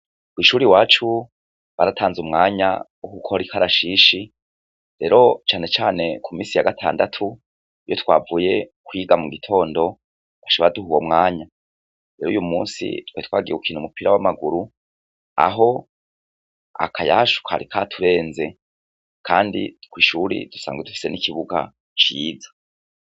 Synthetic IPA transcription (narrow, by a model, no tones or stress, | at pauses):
kwiːʃuːɾiwaːt͡ʃu | βaɾatʰaːnzumŋaːɲa̰ | ukukʰoɾikʰaɾaʃiʃi | ɾe̞ɾʔo̞t͡ʃaːne̞t͡ʃaːne̞kʰumiːsijaɡatʰa̰ːndatʰu | ijotʰwa̰ːvuje̞kwiɡamuɡitʰo̞ːndo̞ | aʃoβaaduɦuwomŋaːɲa | ɾe̞ɾujumuːnsḭtwetkwaːɡieukiːnhumupiɾawamaɡuɾu | a̰ɦo̞ | a̰kʰajaːʃu̥kʰa̰ɾikʰatʰuɾe̞ːnze̞ | kʰaːndḭkwiːʃuɾḭd̥usa̰ːŋɡwedufi̥se̞nikʰiβuɡa̰ | t͡ʃiːzḁ